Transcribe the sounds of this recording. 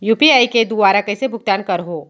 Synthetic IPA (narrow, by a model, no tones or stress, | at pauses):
juːpiaːiked̪uaːɾakɐisebʱʊk̚t̪aːnkɐɾɦoː